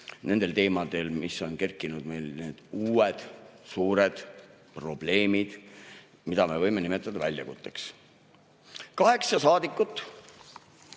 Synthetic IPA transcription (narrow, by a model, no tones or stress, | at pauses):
ne̞nd̪e̞lt̪e̞ːmɑd̪̥e̞lmiso̞nke̞rkːˑinud̪̥me̞jlne̞ːd̪̥uːwed̪̥suːɾe̞d̪̥ | pro̞b̥le̞ːmid̪̥ | mid̪ɑme̞vɤjme̞nime̞t̪ːˑɑd̪ɑvælʲjɑ̰kut̪ˑːeks | kɑɦe̞ksɑsɑːd̪̥ikːˑut̪ːˑ